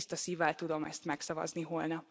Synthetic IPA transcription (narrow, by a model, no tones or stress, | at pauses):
st̪ɒsiːvɛlt̪ud̪o̞mɛ̰st̪mɛksɒvɒ̰zniɦolnɒp